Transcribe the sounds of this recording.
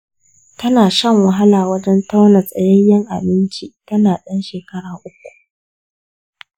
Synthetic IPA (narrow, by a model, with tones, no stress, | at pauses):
tɐ˦naː˨ʃɐ˦ŋwɐ˨ɦa˦laː˨wɐ˦d͡ʒɛ˦nta˦wnɐ˨sʼɐ˨jɐ˦jːɐ˦ŋʔa˨bɪ˦nt͡ʃiː˨tɐ˦naː˨ɗɐ˦nʃeː˨kɐ˦ɽaː˨ʔʊ˦k̚ʷu̥˨